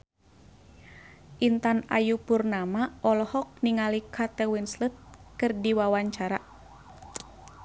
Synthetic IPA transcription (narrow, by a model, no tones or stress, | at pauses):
ʔint̪ana̰jupurnamaɔlɔhɔk̚niŋalikʰat̪ɛwinslət̪̚kɨrdiwawaɲt͡ʃaɾa